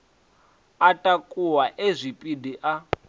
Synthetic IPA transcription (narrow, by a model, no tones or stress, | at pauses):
atʼakʼuwaʔezʷipʼidiʔa